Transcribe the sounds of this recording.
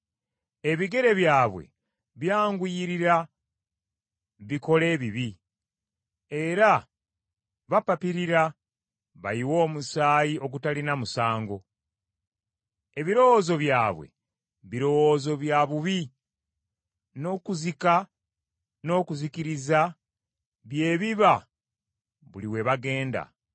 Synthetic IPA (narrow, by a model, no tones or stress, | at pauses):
e̞βiɡe̞ɾe̞βjaːβwe̞̰ | βjaːŋɡwiɾiɾa | βiko̞le̞ːβiβi | e̞ɾa | βapapiɾiɾa | βa̰jiwo̞ːmusaːjio̞k̬utalinamusaːŋɡo̞ | e̞βiɾo̞wo̞zo̞βjaːβwe̞̰ | βiɾo̞wozo̞βjaβuβi | no̞ːkuzika | no̞ːkuzikiɾiza | βje̞ːβiβa | βṵliwe̞βaɡe̞ːnda̰